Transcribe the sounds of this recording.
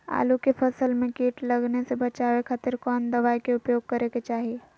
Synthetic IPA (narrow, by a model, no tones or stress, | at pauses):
a̰ːlukepʰəsəlmẽkiːʈləɡnesebət͡ʃawekʰaːt̪ɪɾkɔːnd̪əʋaːikeʊpjoːɡ̚kəɾeket͡ʃaːɦie